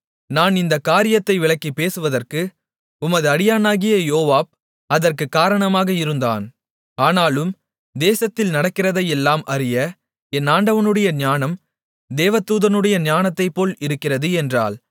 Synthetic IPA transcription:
naːnɪnd̪ɐkːaːɾɪjɐt̪ːɐɪʋɪɭɐkːipeːsɯʋɐðɐrkɯ | ʊmɐðɯɐɽɪjaːnaːɣɪjɐjoːʋaːp̚ | ɐðɐrkɯkːaːɾɐɳɐmaːɣɐɪɾɯnd̪a̰ːn | aːnaːlɯm | d̪eːsɐt̪ːɪlnɐɽɐkːɪrɐðɐjɛlːaːmʔɐrɪjɐ | ɛnːaːɳɖɐʋɐnɯɽɐjɐɲaːnɐm | d̪eːʋɐt̪ːuːðɐnɯɽɐjɐɲaːnɐt̪ːɐɪpːoːlɪɾɯkːɪrɐðɯɛndra̰ːl

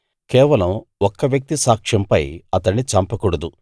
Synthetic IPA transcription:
kɛːʋɐlɐmɔkːɐʋjɐk̚t̪isaːkʂɐmpɐjɐt̪ɐnit͡ʃɐmpɐkuɽɐd̪u

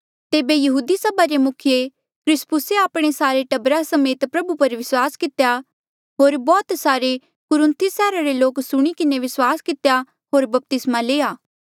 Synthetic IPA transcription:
t̪eːbejɐɦuːd̪isɐbaɾemʊkʰɪje | kʰɾɪspʊseaːpɽ̃esaːɾeʈɐbɾasɐmeːt̪pɾɐbupɐɾʋɪswaːskɪt̪ja | ɦoːɾbɔːt̪saːɾe | kʊɾɪ̃nt̪ʰisɛːɾaɾeloːksʊɽ̃ikɪneʋɪswaːskɪt̪eja | ɦoːɾbɐp̚t̪ɪsmaleːaː

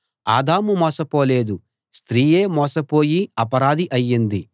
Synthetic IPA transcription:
a̰ːd̪aːmumɔːsɐpoːle̞ːd̪u | st̪ɾiːje̞ːmɔːsɐpo̞ːjiɐpɐɾaːd̪iʔɐjːind̪i

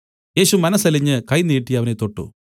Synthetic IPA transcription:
je̞ːɕumɐnɐsɐliɲːɨkɐjniːʈːijɐʋɐnet̪o̞ʈːṵ

